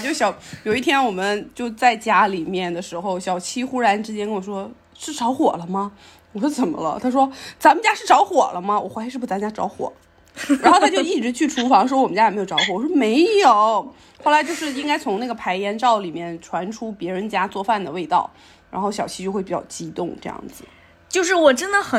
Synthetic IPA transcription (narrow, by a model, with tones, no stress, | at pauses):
t͡ɕjo˥˩ʊɕjɑ˨˧˥ʊjo˨˩ʊi˥t̪ʰjɛ˥nwɔ˨˩mə˦nt͡ɕjo˥˧ʊt͡sa˥˩ɪt͡ɕja˥li˨˩mjɛ˥˩nd̪ə˩ʂɻ̩˧˥xo˧ʊɕjɑ˨˩ʊt͡ɕʰi˥xu˥ɻa˧˥nʈ͡ʂɻ̩˥t͡ɕjɛ˥nkə˥nwɔ˨˩ʂwɔ˥ | ʂɻ̩˥˩ʈ͡ʂɑ˧˥ʊxwɔ˨˩lə˦mɐ˧ | wɔ˨˩ʂwɔ˥t͡sə˨˩nmə̰˦lə̰˧t̪ʰa˥ʂ̬wɔ˥t͡sa˧˥mə˨˧t͡ɕja˥ʂɻ̩˥˩ʈ͡ʂɑ˧˥ʊxwɔ˨˩lə˦mɐ˧wɔ̰˨˩xwʂɻ̩˥˩pu˥˩t͡sa˧˥m˧t͡ɕja˥ʈ͡ʂɑ̰˧˥ʊxwɔ̰˨˩˦ | ɻa˧˥nxo˥ʊt̪ʰa˥t͡ɕo˥˧ʊi˥˩ʈ͡ʂɻ̩˧˥t͡ɕʰy˥˩ʈ͡ʂʰu˧˥fɑ˧˥ŋʂ̬wɔ˥wmə˦t͡ɕja˥˨˩jʈ͡ʂɑ˧˥ʊxwwɔ˨˩ʂwɔ˥me˧˥ɪjo˨˩˦ʊ | xo˥˩ʊla˧˥ɪt͡ɕjo˥˧ʊʂɻ̩˥˩i˥ŋka˥ɪt͡sʰʊ˧˥ŋna˥˩ɡə˩pʰa˧˥ɪjɛ˧˥nʈ͡ʂɑ˥˩ʊli˨˩mjɛ˥˩nʈ͡ʂʰwa˧˥nʈ͡ʂʰu˥pjɛ˧˥ɻə˧˥nt͡ɕja˥t͡swɔ˥˧fa˥˩nd̪ə˩we˥˧ɪt̪ɑ̰˥˩ʊ | ɻa̰˧˥nxo˥˩ʊɕjɑ˨˩ʊt͡ɕʰi˥t͡ɕjo˥˧ʊxe˥˩pi˨˩t͡ɕɑ̰˥˩ʊt͡ɕi˥t̪ʊ˥˧ŋʈ͡ʂɤ˥˧jɑ̰˥˩ŋd͡zɹ̩˩ | t͡ɕjo˥˧ʊʂ̬ɻ̩˥˩wɔ˨˩ʈ͡ʂə˥nd̪ə˨˩xə˨˩